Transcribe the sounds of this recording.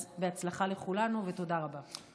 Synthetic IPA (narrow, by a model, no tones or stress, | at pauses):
beat͡slaχale̞χulanuveto̞daʁaba